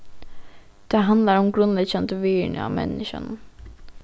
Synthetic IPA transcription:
d̪̥ɛɦɑnd̪lɑɾɔmɡɾʉnlɛɡɕɛnt̪əʋiːɳə̰ɑ̰ːmʔɛ̰nːɪʃə̰n

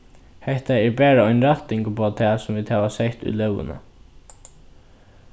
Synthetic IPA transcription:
hɛht̪aɛɹbæːɾaɔʏnɾat̪ɪŋkəpʰoːt̪ʰɛːsɔmviːd̪haːʋasɛht̪ṵjlœwə̰na̰

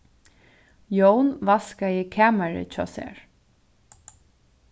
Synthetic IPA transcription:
jownvaskajɪkʰaːmaɹɪ̰t͡ʃʰɔ̰ːsɛ̰ːɹ

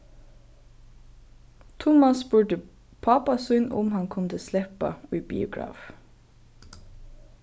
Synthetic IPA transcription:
t̪ʰʊmɑsbʉɖə | pʰɑpɑsʉnʔʊ̰mhɑnkʰɔmt̪ʰəslɛpɑ̰iːbḭːʊɡɹɑ̰ːf

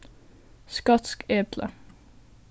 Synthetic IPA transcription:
skɑt̪skeːd̪lə̰

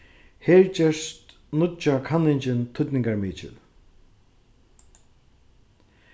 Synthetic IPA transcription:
heːɹt͡ɕɛʂt̪ | nʊt͡ʃakʰanːɪɲt͡ʃɪnt̪ʰʊt̪nɪŋkaɹmiːt͡ʃɪ̰l

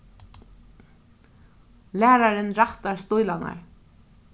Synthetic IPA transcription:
læːɾaɾɪnɾaht̪aɹst̪ujlana̰ɹ

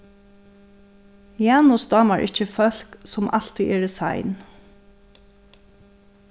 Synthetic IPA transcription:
jɑːnʊsd̪ɑːmaɹʔɪ̰cəfœl̥ksʊmʔal̥t̪iʔɛːɹɪsa̰jn

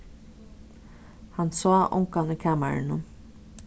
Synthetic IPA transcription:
hansɔːʔʊ̰ŋkaniːkʰaːmaɾɪ̰nən

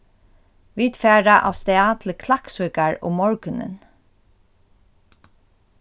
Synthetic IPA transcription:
ʋiːt̪fæːɹaʔa̰st̪ɛaːt̪ʰləkʰlaksuːkaɹʊ̰mːɔɹkʏnə̰n

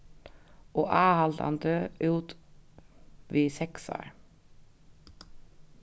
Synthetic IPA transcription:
oːʔɑːhɑld̪ɑ̰nd̪øːʉːt̪ | ʋiːsɛksɑ̰ɹ

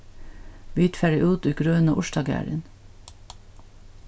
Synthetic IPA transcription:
byːt̪fæɹɪʔuːt̪ʉɡɾøːno̰ʔʊʃdɑːɡæ̰ːɹə̰n

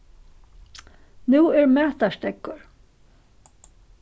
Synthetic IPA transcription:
nuːɛɹmæːt̪aʃt̪ɛkːʊɹ

